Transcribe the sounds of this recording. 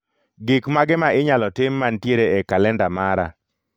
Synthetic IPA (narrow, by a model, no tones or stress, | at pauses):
ɡɪkmaɡɪmaʔɪɲalɔtɪmːantjeɾeɛkalɛndamaɾa̰